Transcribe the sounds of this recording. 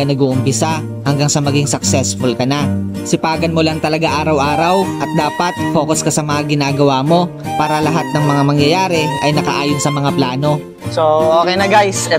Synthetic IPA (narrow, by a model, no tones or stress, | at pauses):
nɐɡuːʔʊmpɪsa | hɐŋɡaŋsɐmɐɡiŋsɐksɛsfʊlkɐnasɪpaːɡɐnmo̞lɐŋt̪ɐlɐɡaʔaːɾɐwʔaːɾɐwʔɐt̪̚d̪aːpɐt̪̚fo̞ːkoskɐsɐmɐŋaɡɪnaːɡɐwaːmo̞ | paːɾɐlɐɦat̪̚nɐŋmɐŋamɐŋjɐjaːɾɛʔɐjnɐkɐ̰ʔaːjonsɐmɐŋaplaːno̞ | soʔoːkɛjnɐɡajsɛ